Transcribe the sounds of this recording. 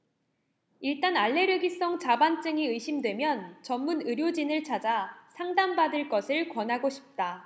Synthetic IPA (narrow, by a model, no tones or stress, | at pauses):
iɭt͈anaɭːe̞ɾɯɡis͈ʌŋt͡ɕabant͡ɕ͈ɯŋiɯiɕʰimdwe̞mjʌnt͡ɕʌmmːunɯɾjod͡ʑinɯɭt͡ɕʰad͡ʑasʰaŋdambadɯɭk͈ʌsʰɯɭkwʌnɦaɡoɕʰi̥p̚t͈a